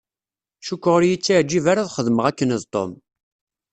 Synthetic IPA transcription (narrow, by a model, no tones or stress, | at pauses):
ʃukʷːəʁʊɾjit͡sːiʕd͡ʒːivaɾaðχəðməʁækːənəðt̪ˤːo̰m